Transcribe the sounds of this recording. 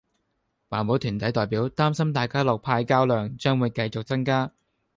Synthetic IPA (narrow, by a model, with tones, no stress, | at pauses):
waː˨˩nmo˨˥t̪ʰyː˨˩nt̪ɐ˨˥jt̪ɔː˨jpiː˨˥wt̪aː˥msɐ˥mt̪aː˨jkaː˥lɔː˨k̚pʰaː˧jkaː˥wlœː˧ŋt͡ʃœː˥ŋwuː˨˧jkɐ˧jt͡sk̚t͡sɐ˥ŋkaː˥